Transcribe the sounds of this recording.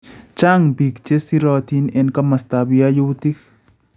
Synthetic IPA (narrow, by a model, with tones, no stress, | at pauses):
t͡ʃa˦ŋbi˨kt͡ʃe˦si˦ɾɔ˨t̪i˦nɛ˦nka˦ma˨st̪a˨bja˦ju˦t̪i˦k